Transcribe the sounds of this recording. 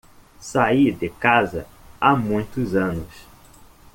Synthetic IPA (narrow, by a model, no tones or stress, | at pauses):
said̪ɪkazɐ̰amũj̃t̪ʊzɐ̃nʊs